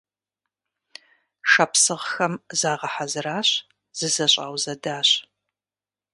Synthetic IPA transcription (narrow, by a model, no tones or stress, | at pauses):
ʃɐpsɨʁxɐmzaːʁɐħazɨraːɕ | z̥ɨzɐɕʼaːwzɐdaːɕ